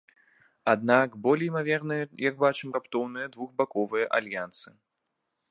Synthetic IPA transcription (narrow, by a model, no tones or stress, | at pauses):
ad̪nakbɔlʲɛjmavʲɛrnɨjɐjɐɡ̚bat͡ʂɨmrapt̪ɔwnɨjɐd̪vuxbakɔvɨjɐʔalʲjant̪sɨ̥